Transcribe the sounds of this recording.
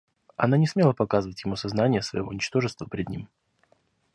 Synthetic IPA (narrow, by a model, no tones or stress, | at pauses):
ɐ̰nanʲɪsmʲelˠəpɐkazɨvətʲjɪmusɐznanʲɪjəsvə̰jɪvo̰nʲɪt͡ɕt̪o̞ʐɨst̪vəpʲɾʲɪd̪nʲḭm